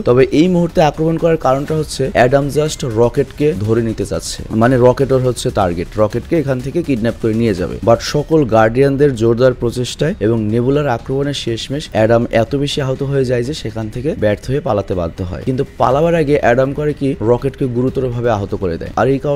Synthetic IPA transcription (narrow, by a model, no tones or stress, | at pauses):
t̪ɔbeʔejmuɦuɾt̪eakɾomonkɔɾaɾkaɾonʈaɦotːɕʰeɛɖamd͡ʑasʈɾɔkeʈked̪ʱoɾenit̪et͡ɕa̰tːɕʰḛmaneɾɔkeʈoɾɦotːɕʰeʈaɾɡeʈɾɔkeʈkeekʰant̪ʰekekiɖnɛp̚koɾenijed͡ʑa̰bḛbaʈʃɔkolɡaɾɖijand̪eɾd͡ʑoɾd̪aɾpɾot͡ɕeʃʈaeeboŋnebulaɾakɾomoneɾʃeʃmeʃɛɖamɛt̪obeʃiaɦot̪oɦoed͡ʑajd͡ʑeʃekʰant̪ʰekebɛɾt̪ʰoepalat̪eba̰d̪ʱːoɦɔ̰ekint̪upa̰labaɾaɡeʔɛɖamkɔɾekiɾɔkeʈkeɡuɾut̪oɾobʱabeaɦot̪okoɾed̪ɛ̰ea̰ɾejka